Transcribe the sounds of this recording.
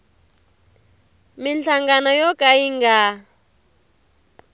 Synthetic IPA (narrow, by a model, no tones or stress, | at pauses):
minɬaŋɡanɔjɔkʼaiŋɡa